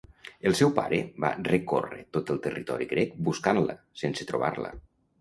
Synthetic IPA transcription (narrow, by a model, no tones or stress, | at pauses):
əlˠsɛwpa̰ɾəba̰rəkorə̰t̪ot̪əlˠt̪ərit̪ɔɾiɣɾɛk̚buskanlə̰sensət̪ɾoβa̰rlə̰